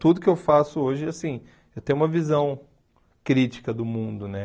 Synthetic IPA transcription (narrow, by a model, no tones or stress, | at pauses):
t̪ud̪ʊkɪewfasʊoʒɪasĩ | ewt̪ẽj̃ũmɐvizɐ̃w̃ | kɾit͡ʃi̥kɐd̪ʊmũd̪ʊnɛ